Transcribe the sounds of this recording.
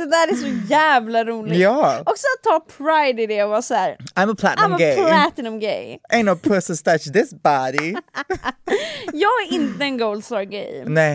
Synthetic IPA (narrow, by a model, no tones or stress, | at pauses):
d̪̥ɛd̪æːɾæsɔjæːvlaɾuːlɪɡjæɔksɔat̪ʰːɑːpʰɾaɪd̪ɪd̪ɛɔvɑːsɔæɾãɪ̃məpʰl̥æ̰tãɪ̃məɡeɪlæt̪nəmɡḛɪʔɛ̃ɪ̃nəpʰɜsə̃nst̪at͡ʃðɪsb̥ɑɾi | jɑːɡæɾɪnt̪əɛnɡoʊld̪st̪ɑɹɡḛ̃ɪmne